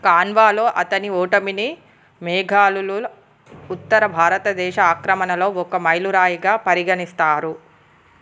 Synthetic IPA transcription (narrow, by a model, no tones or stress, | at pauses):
kaːnʋaːlo̞ːʔɐt̪ɐnioːʈɐmini | mɛːɡʱaːlulu | ut̪ːɐɾɐbʱaːɾɐt̪ɐd̪ɛːʃɐaːkɾɐmɐnɐlo̞ːɔkɐmɐjluɾaːjiɡaːpɐɾiɡɐnist̪aːɾu